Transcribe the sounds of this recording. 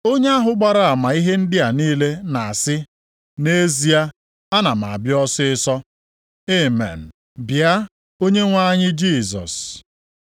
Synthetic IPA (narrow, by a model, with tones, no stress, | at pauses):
o˦ɲe˦a˦ɦʊ˦ɡ͡ba˦ɾa˨a˨ma˨i˦ɦe˦n̩˦dɪ˦a˨niː˦le˦na˨a˨sɪ˦ | ne˦zi˨a˦ | a˦na˨m̩˨a̰˨bjɔ˦sɪ˦ɪ˦sɔ˦ | e˦mḛ˨n̩˨ | bja˦ | o˦ɲe˦ŋʷa˦ɲɪ˦d͡ʒi˦˨zɔ̰˨s